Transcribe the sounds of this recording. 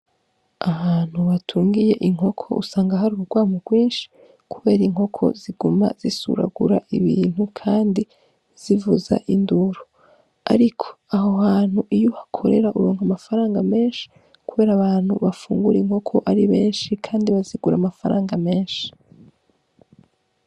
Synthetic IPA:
aβaːn̥huβatʰuːŋɡije̞ʔiŋo̞kʰo̞̰ʔṵsaːŋɡaɦaɾuɾuɡ̥waːmuɡwiːnʃi̥ | kʰuβe̞ːɾiŋɦo̞kʰo̞̰ziɡuma̰z̥isṵɾa̰ɡṵɾaʔiβḭːn̥hukʰaːndi | z̥ivuza̰ʔinduɾo | a̰ɾikʰo̥aɦohaːn̥huʔijohakʰo̞ɾe̞ɾaʔuɾo̞ːŋhamafaɾaːŋɡame̞ːnʃi̥ | kuβe̞ːɾaβaːn̥huβafuːŋɡuɾiŋ̥ho̞kʰo̞ʔaɾiβe̞ːnʃikʰaːndiβaziɡuɾamafaɾaːŋɡame̞ːnʃi̥

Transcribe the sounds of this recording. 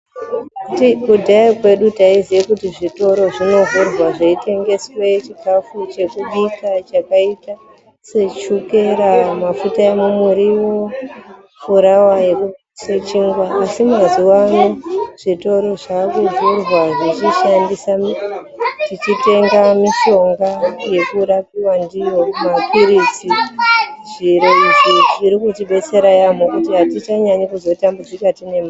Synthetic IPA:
kutikudʱaikwe̞ɗutaizijekutiʐito̞ɾo̞ʐino̞ɦurwaʐeite̞ŋɡe̞swet͡ʃikafut͡ʃe̞kuɓikat͡ʃakaita | se̞t͡ʃuke̞ɾamafutaemumuɾiwo̞ | fuɾawaje | se̞t͡ʃiːŋɡwaʔːsimaziwanuʐ̥ito̞ɾo̞ʐakud͡zurwaʐit͡ʃiʃandisa | tit͡ʃite̞ŋɡamiʃo̞ŋɡaje̞kuɾapiwandijomakwiɾid͡zi | ʐiɾeuzit͡ʃiɾikutiɓe̞t͡se̞ɾajam̤ukutiɦatit͡ʃaɲaɲekuzo̞tambud͡zikatine̞ma

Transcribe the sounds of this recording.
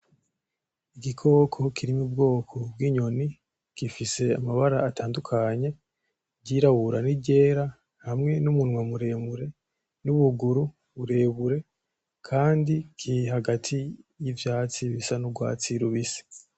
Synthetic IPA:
iɡikʰo̞ːkʰo̞kʰiɾimub̚ɡo̞ːkʰo̞b̚ɡiːɲo̞ni | kifise̞amaβaɾaːtʰaːndukʰaɲe̞ | ɟiɾaβuɾaniɟe̞ːɾa | hamŋe̞numunwamuɾe̞ːmuɾe̞ | nuβuɡuɾu | βuɾe̞ːβuɾe̞ | kʰaːndikʰiɦaɡatʰijivjaːt͡siβisanuɡwa̰ːt͡siɾuβisi̥

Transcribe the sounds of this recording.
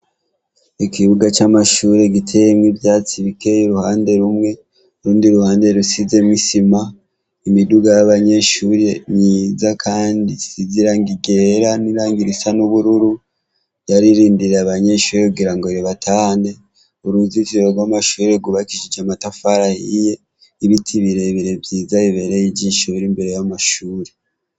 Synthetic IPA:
ikiβuɡat͡ʃamaʃuːɾe̞ɡitʰe̞jemŋivjaːt͡siβike̞jiɾuhaːnde̞ɾumŋe̞ | ɾuːndiɾuhaːnde̞ɾusize̞mŋisima | imiduɡajaβaɲe̞ʃuɾeɲiːzakʰaːndisiziɾaŋɡiɡe̞ɾaniɾaːŋɡiɾisanuβuɾuɾu | jaɾiɾiːndiɾeaβaɲe̞ʃuːɾekuɡiɾaŋɡo̞ɾeβatʰaːne̞ | uɾuziziβoɡwamaʃuːɾeɡuβakiʃid͡ʒamatafaɾahije̞ | iβitʰiβiɾe̞βiɾe̞bɟiːzaiβe̞ɾejiɟiʃuɾimbe̞ɾe̞jamaʃuːɾe

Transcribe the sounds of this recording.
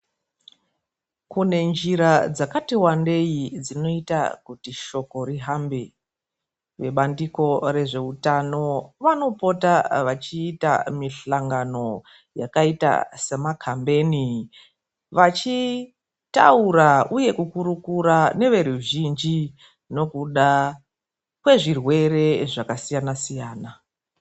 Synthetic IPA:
kune̞nd͡ʒiɾad͡zakatiwande̞jid͡zino̞ita̰kutiʃo̞ko̞riɦambe | ʋe̞ɓandiko̞re̞ʐe̞utano̞ʋano̞po̞taʋat͡ʃiːta̰miɬaŋɡano̞ | ja̰kaita̰se̞makʰambe̞ni | ʋat͡ʃi | ta̰uɾauje̞kukuɾukuɾane̞ʋe̞ɾuʒind͡ʒi | no̞kuɗa | kwe̞ʐirwe̞re̞ʐakasijanasijaːna

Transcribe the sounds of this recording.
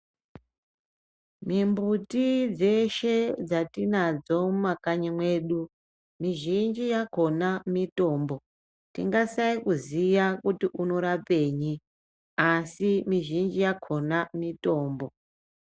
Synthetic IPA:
mimbutid͡ze̞ʃe̞d͡zatinad͡zo̞makaɲimwe̞ːɗu | miʒind͡ʒijako̞namito̞ːmbo̞ | tiŋɡasaikuziʋakutiʔuno̞ɾape̞ːɲi | asimiʒind͡ʒijakʰo̞namito̞ːmbo

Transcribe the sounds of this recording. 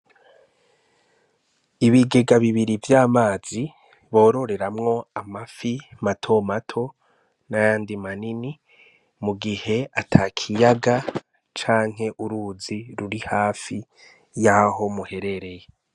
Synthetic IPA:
iβiɡe̞ɡaβiβiɾivjaːmaːz̥i | βo̞ːɾo̞ɾe̞ɾamŋo̞amafimatʰo̞matʰo̞ | najaːndimanini | muɡihe̞atʰakʰijaɡa | t͡ʃaːŋ̥ɦe̞ʔuɾuːziɾuɾihaːfi | jaho̞muhe̞ɾe̞ɾe̞je

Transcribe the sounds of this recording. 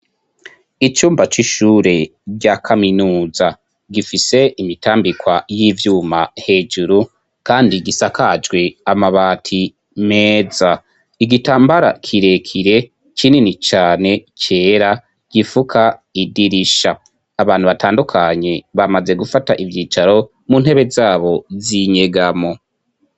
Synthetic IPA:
it͡ʃuːmbat͡ʃiʃuːɾe̞ɟakʰaminuːza | ɡifise̞imitaːmbikwajivjuːmahe̞d͡ʒuɾu | kaːndiɡisakʰad͡ʒɡwe̞amaβaːtʰi | meːza | iɡitaːmbaɾa̰kʰiɾe̞kʰiɾe̞ | cininit͡ʃaːne̞cʰe̞ːɾa | ɡ̥ifukʰaidiɾiʃaː | βaːn̥huβataːndukʰaɲe̞βamaze̞ɡufataʔivjiːt͡ʃaɾo̞ | mun̥he̞βe̞zaːβo̞ziɲe̞ɡamo̞

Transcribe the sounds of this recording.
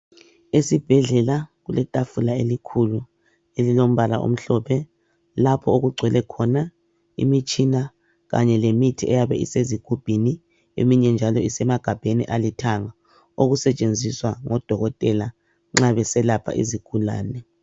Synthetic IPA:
esib̥ʱɛɮɛlaɣulɛtʼafulaelikʰulu | elilom̩βala̰ʔo̰m̩ɬɔpʰɛ | lapʰɔoɣuɡ͡ǀʱwɛlɛkʰɔna | ḭmit͡ʃʼina | ɣa̰ɲɛlemitʰiʔɛjaβɛ̰ḭseziɡ̥ʱub̥ʱini | ḛmiɲɛnd͡ʒʱalɔisɛmaɡ̥ʱab̥ʱenḭʔalitʰaŋa | oɣusɛt͡ʃʼend͡zʱiswaŋɔd̥ʱɔɣɔtʼɛla | ŋ͡ǁaβɛsɛlapʰa̰ʔḭziɡ̥ʱula̰ːnɛ

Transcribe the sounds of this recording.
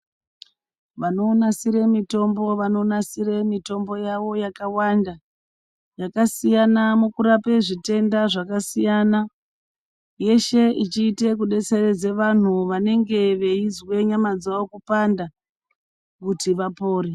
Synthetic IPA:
ʋano̞ːnasiɾe̞mito̞mbo̞ʋano̞nasiɾe̞mito̞mbo̞jaʋo̞jakawanda | jakasijanamukuɾape̞ʐite̞ndaʐakasijana | je̞ʃe̞it͡ʃiːte̞kuɗe̞t͡se̞red͡ze̞ʋan̤uʋane̞ŋɡe̞ʋe̞izwe̞ɲamad͡zaʋo̞kupanda | kutiʋapo̞ːɾi

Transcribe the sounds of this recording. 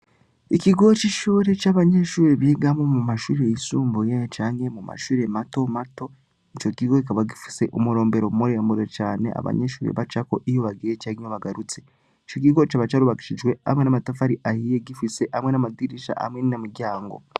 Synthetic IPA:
ikiɡo̞t͡ʃiʃuːɾe̞t͡ʃaːβaɲeʃuːɾeβiːɡamomumaʃuːɾe̞jisuːmbujet͡ʃaːŋhe̞muma̰ʃuːɾe̞mato̞mato̞ | it͡ʃo̞kiɡokikaβaɡifi̥se̞ʔomuɾo̞ːmbe̞ɾomumuɾeamuɾot͡ʃaːne̞̰a̰βa̰ɲeʃuːɾḛβat͡ʃako̞ʔijoβaɡijecaɲoβaɡaɾut͡se̞ | it͡ʃok̬iɡo̞t͡ʃaβat͡ʃaɾuβaki̥ʃid͡ʒwe̞a̰mwenamatafaɾiʔahijeɡifise̞ʔamwenamadiɾiʃa̰ʔa̰mŋeninamuɾɟaːŋɡo̞̰

